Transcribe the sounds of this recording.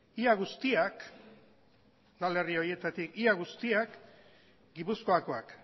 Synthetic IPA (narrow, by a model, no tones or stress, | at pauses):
iaɣ̞ust̪iak | d̪ale̞rio̞ɾje̞t̪at̪ikiaɣ̞ust̪iak | ɡipusko̞ako̞ak